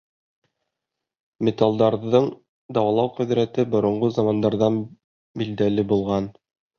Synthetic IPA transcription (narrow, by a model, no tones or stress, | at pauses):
mʲet̪alˠd̪ɑɾðɤɴ | d̪ɑwɑlˠɑwqɵ̆ðɾæt̪ɘbŏɾŏɴʁozɑmɑnd̪ɑɾðɑn | bild̪ælɘbulˠʁɑn